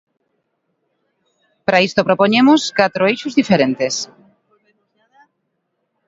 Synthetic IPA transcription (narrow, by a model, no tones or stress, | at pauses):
pɾaist̪opɾopoɲemʊskat̪ɾoejʃʊzðifeɾent̪es